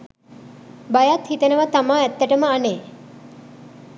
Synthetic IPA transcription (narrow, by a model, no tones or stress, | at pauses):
bajat̪hit̪ənəʋat̪amaːɛt̪ːæʈəməaneː